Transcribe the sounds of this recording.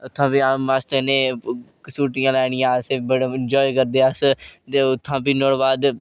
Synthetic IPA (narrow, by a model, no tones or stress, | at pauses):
ʊt̪ʰːãːpiːamast̪eneːksuːʈɪjãːlɛːɽ̃ɪjãːseːbəɽeɪnd͡ʒɔːikəɾd̪eːəst̪eːʊt̪ʰːãːpiːnoːɽbaːd̪